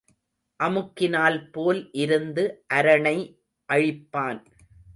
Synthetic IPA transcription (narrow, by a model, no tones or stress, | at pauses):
ʔɐmɯkːɪnaːlpoːlʔɪɾɯnd̪ɯʔɐɾɐɳɐɪ | ʔɐɻɪpːaːn